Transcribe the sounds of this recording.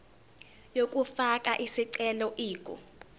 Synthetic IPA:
jok̬ʼufakʼaʔisiǀɛlɔʔiːkʼɔ̰

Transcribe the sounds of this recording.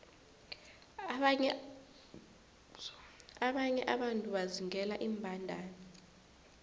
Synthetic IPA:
aɓaɲɛʔaɓantʼuɓaziŋʱɛlaʔiːmbʱandʱaːnɛ

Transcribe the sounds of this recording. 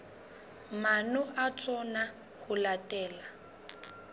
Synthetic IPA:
manɔʔat͡sʼɔna | hʊlatʼɛːla

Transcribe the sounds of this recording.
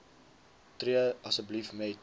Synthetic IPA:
triəɐsəblifmɛt̚

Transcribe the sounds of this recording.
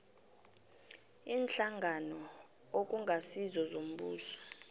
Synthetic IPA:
iːnɬaŋɡʱanɔ | ok̬ʼuŋʱasizɔzom̩ɓṵːsɔ̥

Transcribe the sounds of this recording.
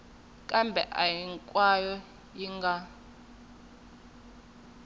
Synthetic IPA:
kʼambʱɛ̰ʔajiŋkʼwajɔ | jiŋɡa

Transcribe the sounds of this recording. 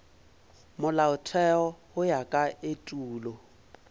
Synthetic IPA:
mʊlaʊtʰɛɔhʊjakʼaetʼuːlɔ

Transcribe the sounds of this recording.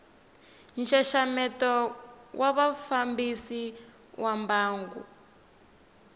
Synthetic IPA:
nʃaʃamɛtɔwaβafambisi | wambaːŋɡṵ

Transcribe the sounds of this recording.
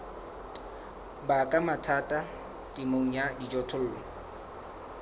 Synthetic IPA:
bakʼamatʰatʼa | kʼɪmoŋ̩jadid͡ʒɔtʰʊl̩ːlɔ

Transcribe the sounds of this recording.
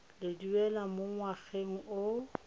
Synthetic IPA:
lɪduɛlamoŋwaɣeŋ̩o

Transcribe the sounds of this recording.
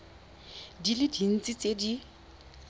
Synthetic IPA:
dilɪdin̩t͡sit͡sʼedi

